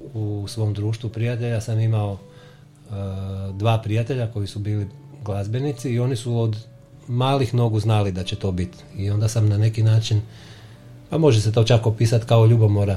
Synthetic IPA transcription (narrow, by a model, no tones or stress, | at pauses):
usʋo̞ːmd̪ɾuːʃt̪ʋupɾijat̪e̞ʎasamimao̞ | d̪ʋaːpɾijat̪e̞ʎako̞jisubiːli | ɡlˠazbe̞nit̪siːo̞nisuod̪ | maːlixno̞ɡuznalid̪at͡ɕe̞t̪o̞ːbit̪ | io̞nd̪asamnane̞kinaːt͡ʃin | pamo̞ʒese̞t̪o̞ːt͡ʃakopiːsat̪kaoʎubomoɾa